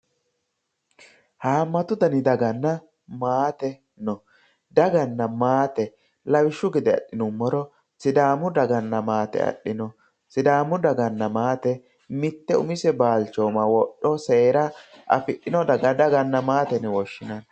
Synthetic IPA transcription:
haːmːɐt̪ʊd̪ɐnɪd̪ɐɡɐnːɐ | maːt̪ɛ | nɔ | d̪ɐɡɐnːɐmaːt̪ɛ | lɐwɪʃːʊɡɪd̪ɛɐ̰ɗːɪnʊmːɔɾɔ | sɪd̪aːmʊd̪ɐɡɐnːɐmaːt̪ɛ̰ɐ̰ɗːɪnɔ | sɪd̪aːmːʊd̪ɐɡɐnːɐmaːt̪ɛ | mɪt̪ːɛʊmɪsɛbaːlt͡ʃoːmɐwɔɗːɔseːɾɐʔɐ̰fɪɗːɪnɔd̪ɐɡɐd̪ɐɡɐnːɐmaːt̪ɛnɛwɔʃːɪnɐn

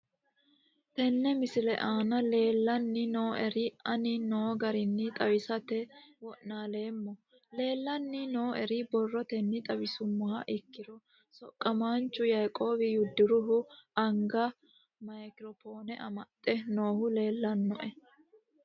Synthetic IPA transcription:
t̪ɛnːɛmɪsɪlɛʔaːnɐle̞ːlːɐnːɪno̞ːʔɛɾɪɐnɪnoːɡɐɾɪnːɪt̪ʼɐwɪsɐt̪ɛwɔʔnaːle̞ːmːɔ | le̞ːlːɐnːɪno̞ːʔɛɾɪbɔrːɔt̪ɛnːɪt̪ʼɐwɪsʊmːʊhɐʔɪkːɪɾɔ | sɔkʼːɐmaːnt͡ʃːʊjɐjkʼo̞ːbɪjʊd̪ːɪɾʊɦʊɐŋɡɐ | mɐjkɪɾɔfo̞ːnɛʔɐmɐt̪ʼːɛno̞ːhʊle̞ːlːɐnːɔʔɛ

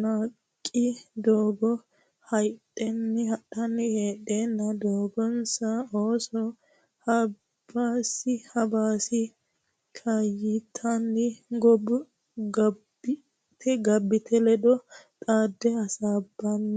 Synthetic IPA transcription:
naːkʼːɪd̪oːbɔ | hɐjt̪ʼːɛnːɪhɐɗɐnːɪheːɗeːnːɐd̪oːbɔnsɐoːsɔ | hɐ | b̥aːsɪhɐbaːsɪ | kʰajɪt̪ʰːɐnːɪɡɔbʊ | ɡɐbɪ | t̪ʰɛɡɐbːɪt̪ʰɛlɛd̪ɔt̪ʼaːd̪ːɛɐsaːbːɐnː

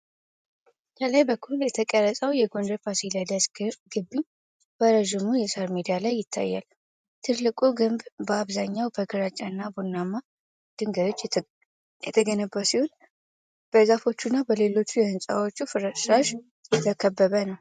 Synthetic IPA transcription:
k̪ʰʼələjbəkʰːuljɛt̪ʰəkʼəɾəsʼəwjɛɡo̞nd̪əɾpʰasilad̪əsɡɨɾɡɨbːɨɲ | bəɾəʒɪmujɛsaɾmid̪ijalajːɪt̪ʰːa̰jːa̰l | t̪ʰɨlːɨkʼuɡɨmbbəaβzaɲːawbəɡɨɾat͡ʃʼːanːabonːamːa | d̪̥ɨŋɡəɾo̞t͡ʃː | jɛt̪ʰəɡənəbːəsihun | b̥əzafo̞t͡ʃːunːabəle̞lo̞t͡ʃːujɛhɨnsʼa̰wo̞t͡ʃːufɨɾəaʃ | jɛt̪ʰəkʰəbːəβənəw

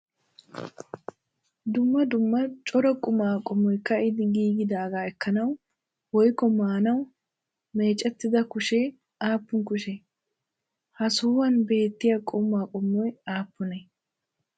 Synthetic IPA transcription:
d̪ʊmːɐd̪ʊmːɐt͡ʃʼɔɾɐkʼʊmaːkʼɔmːɔjkːɐɪd̪ɪɡiːɡɪd̪aːɡaːɛkːɐnɐw | wɔjkːɔmaːnɐw | me̞ːt͡ʃʼːɛt̪ːɪd̪ɐkʊʃeː | aːpːʊnkʊʃɛ | hɐsuːwɐnbe̞ːt̪ːɪjɐkʼʊmːaːkʼɔmːɔjaːpːʊnɛ

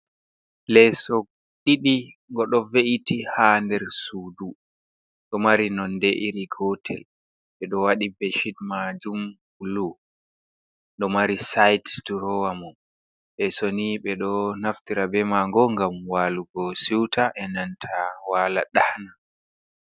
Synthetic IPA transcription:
lɛsɔ | ɗiɗiŋɡɔɗɔveʔitihandɛɾsuːdu | ɗɔmaɾinɔnːdɛʔiɾiɡɔtʰɛ̰l | ɓɛɗɔwaɗibɛʃidmad͡ʒum | ulu | ɗɔmaɾisajtd̥uɾɔwamun | ɓɛsoniɓɛɗɔnaftiɾabɛmaŋɡɔŋɡamwaluɡɔsiwtʰaʔɛnantʰawaːla̰ɗahna

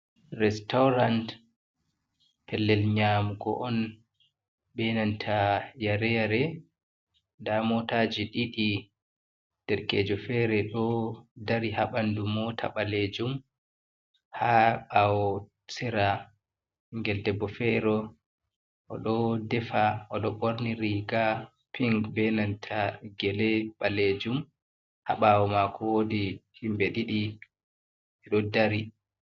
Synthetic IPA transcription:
rɛstawɾant | pʰɛlːɛlɲamuɡɔ̰ʔɔn | bɛnantʰajaɾɛjaɾɛ | ndamɔtad͡ʒiɗiɗi | d̥ɛɾkɛ̰ːd͡ʒɔfɛɾɛɗɔdaɾihaɓandumɔtʰa̰ɓaled͡ʒum | haɓawɔ | sɛɾa | iŋɡɛldɛbːɔfɛɾɔ | ʔɔ̰ɗɔdɛfaɔɗɔɓoɾniɾiɡa | pʰiŋɡbɛnantʰaɡɛlɛɓaled͡ʒum | ha̰ɓawɔmakʰɔwodihimbɛɗiɗi | ɛɗɔdaɾi

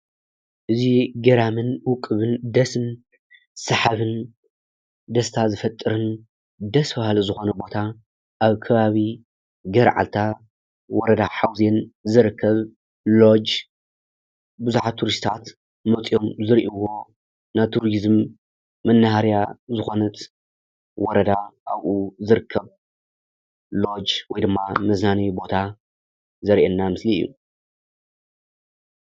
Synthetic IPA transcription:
ʔɨziɡɐɾamɨnwʊkʼɨβɨnd̪ɐsɨn | sɨħaβɨn | d̪ɐst̪ʰazɨfɐt̪ʼːɨɾɨn | d̪ɐsfahluzɨxo̞nɐbo̞t̪ʰa | ʔaβkʰɐβaβi | ɡɐɾʕa̰lt̪ʰa | wɔɾɐd̪aħawzenzɨɾɨkʰːɐβ | lo̞d͡ʒ | bɨzuħat̪ʰːuɾist̪ʰat̪ | mɐt̪ʼio̞mzɨɾʔiwo̞ | nat̪ʰuɾizmː | ɐnːahaɾjazɨxo̞nɐt̪ | wɔɾɐd̪aʔaβʔuzɨɾɨkʰːɐβ | lo̞d͡ʒwɔjd̪ɨmːamɐznanɐjubo̞t̪ʰa | zɐɾʔenːamɨslijːṵ

